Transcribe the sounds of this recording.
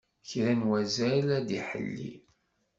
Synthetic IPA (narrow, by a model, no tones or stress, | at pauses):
çɾænwæzælæd̪iħə̰lːḭ